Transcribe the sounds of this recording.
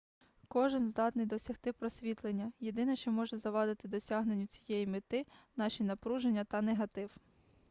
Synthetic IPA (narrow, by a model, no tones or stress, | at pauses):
kɔʒɪnzd̪ɑt̪nɪjd̪ɔsʲɐxt̪ɪpɾɔsʲʋʲit̪lˠenʲːɐjed̪ɪnɐʃt͡ʃɔmɔʒɛzɐʋɑd̪ɪt̪ɪd̪ɔsʲɑɦnenʲːʊt͡sʲi̥jɛjimɪt̪ɪnɑʃinɐpɾuʒenʲːɐt̪ɐneɦɐt̪ɪw